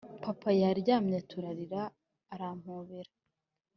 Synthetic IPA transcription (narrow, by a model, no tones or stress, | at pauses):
papʰajaɾɟaːmɲetʰuɾaɾiɾaː | ɾam̥huβeɾa